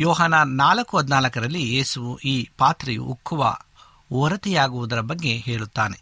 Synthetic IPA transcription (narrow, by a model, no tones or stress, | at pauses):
jɔːɦaːnɐnaːlɐkːuɦɐd̪naːlɐkɐɾɐlːieːsuʋuʔiːpaːt̪ɾɐjṵʔukʰːuʋɐ̰ | oːɾɐt̪ijaːɡuʋud̪ɐɾɐbɐɡːe̞ɦeːɭut̪ːaːne̞̰